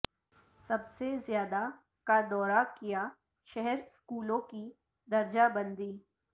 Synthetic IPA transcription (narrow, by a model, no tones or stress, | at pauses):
sɐbsezjaːd̪a | kad̪ɔːɾakija | ʃɛɦɛɾskuːlõki | d̪ɐɾd͡ʒabɐ̃nd̪iː